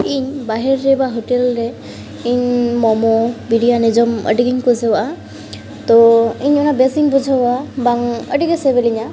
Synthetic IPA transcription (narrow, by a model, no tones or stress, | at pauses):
iɲbaɦɛɾːɛbaɦoʈɛlɾɛ | iɲmɔmɔbiɖijanɛd͡ʒɔmə̰ʈiɡiɲkud͡ʒʱawaʔa | t̪ɔiɲɔnabɛsiŋbud͡ʒʱawabaŋə̰ʈiɡɛsɛbɛliɲa